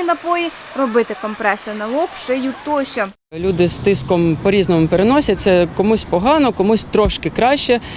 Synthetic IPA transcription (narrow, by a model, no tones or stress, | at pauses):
inɐpɔji | rɔbɪt̪ɪkɔmpɾɛsɪnɐlˠɔkʃt͡ʃɛjut̪ɔʃɔ | lʲud̪ɪst̪ɪskɔmpɔɾʲiznɔmʊpeɾenɔsʲɐt̪sɛkɔmusʲpɔɦɑnɔkɔmusʲt̪ɾɔʃkɪkɾɑʃt͡ʃɛ